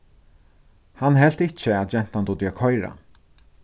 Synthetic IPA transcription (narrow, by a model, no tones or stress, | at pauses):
hanɦɛl̥t̪ɪt͡ʃəat̪d͡ʒɛn̥t̪and̪ʊd̪jœkhɔjɾa̰